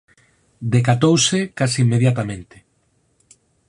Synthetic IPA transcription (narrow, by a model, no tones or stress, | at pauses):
d̪ekat̪owsekasiimːeð̞jat̪amẽnt̪ɪ̥